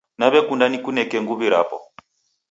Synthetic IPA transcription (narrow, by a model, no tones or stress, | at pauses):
naβɛkundanikunɛkɛŋɡuβiɾa̰pɔ̰